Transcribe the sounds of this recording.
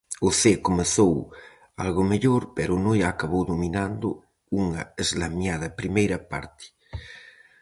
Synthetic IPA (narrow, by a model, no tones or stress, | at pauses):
ʊθekomeθow | a̰lɣʊmeʎoɾpeɾʊnojaːkaβowðominand̪ʊ̰ | uŋɐ̰ezlamjað̞ɐpɾimejɾɐpa̰ɾt̪ɪ̥